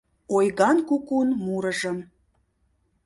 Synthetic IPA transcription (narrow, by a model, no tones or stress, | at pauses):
ojɣɑnkukunmuɾəʒə̆m